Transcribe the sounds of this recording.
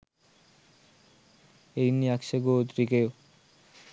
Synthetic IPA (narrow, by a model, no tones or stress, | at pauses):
ejniakʃeɡot̪ɾikeo